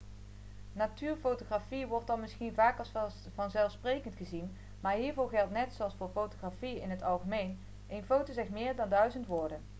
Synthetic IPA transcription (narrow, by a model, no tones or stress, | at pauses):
natyːɹfowtoχraːfiʋɔɹtɑnmɪsχinvaːkɑs | vɑnzɛlˠfsprejkəntχəzin | maːɹɦiːɹvoːχɛlˠtnɛtsoɑlˠsfʊːɹfowtoχrafiɪnɦətɑlˠχəmejn | ʔejnfowtozɛχmɪːɹdɑndœɥzəntʋʊːɹdən